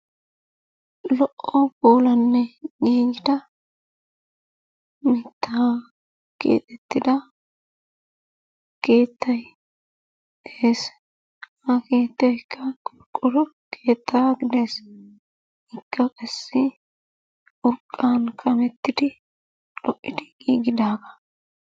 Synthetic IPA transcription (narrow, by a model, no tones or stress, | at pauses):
lɔʔɔboːlɐnːɛɡiːɡɪd̪ɐ | mɪt̪ʰːa | ɡ̥ḛːt̪ʼɛt̪ːɪd̪ɐ | ke̞ːt̪ʰːɐj | eːs | ɐke̞ːt̪ːɛɪkʰːɐkʼʊɾkʼːɔɾʊ | kʰe̞ːt̪ʰːaːɡɪd̪e̞ːs | ɪkːɐkʼɐsːɪ | ʔʊɾkʼːaːnkʰʼɐmɛt̪ːɪd̪ɪ | lɔʔːɪd̪ɪɡiːɡɪd̪aːɡɐ̥